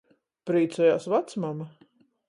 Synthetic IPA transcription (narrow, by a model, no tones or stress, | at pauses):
pɾiːt̪sɛjaːsvat̪smama